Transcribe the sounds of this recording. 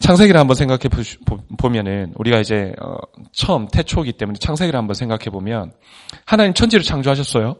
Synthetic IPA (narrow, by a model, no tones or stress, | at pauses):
t͡ɕʰaŋs̬ʰe̞ɡiɾɯɭhambʌnsʰeŋɡakʰeobomjʌnɯnuɾiɡaid͡ʑe̞ʌ̰t͡ɕʰʌmtʰe̞t͡ɕʰoɡit͈e̞mune̞t͡ɕʰaŋs̬ʰe̞ɡiɾɯɭhambʌnsʰeŋɡakʰe̞bomjʌn | hanaimt͡ɕʰʌnd͡ʑiɾɯɭt͡ɕʰaŋd͡ʑoɦaɕ̬ʰʌs͈ʌjo